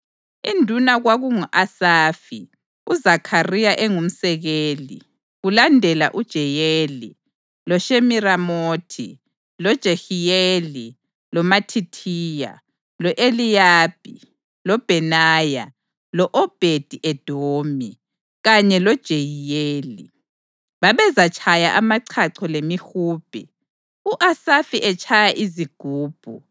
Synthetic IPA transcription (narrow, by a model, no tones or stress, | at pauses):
indʱunaɣwaɣuŋuʔasaːfi | uzakʰarijaʔɛŋum̩sɛɣeːli | ɣulandʱɛla̰ʔud̥ʒ̥ʱɛjeːli | lɔʃemiramoːtʰḭ | lɔd̥ʒ̥ʱexijeli | lɔmatʰitʰiːja̰ | lɔʔelijaːb̥̚ʱḭ | lɔb̥ʱɛnaːja | lɔʔɔb̥ʱed̥ʱiʔɛd̥ʱoːmi | ɣaɲɛlɔd̥ʒ̥ʱejijeːlḭ | βaβɛzat͡ʃʰajaʔamaǀʰaǀʰɔlemixuːb̥ʱḭ | uʔasafiʔɛt͡ʃʼʰajaʔiziɡ̥ʱuːb̥ʱu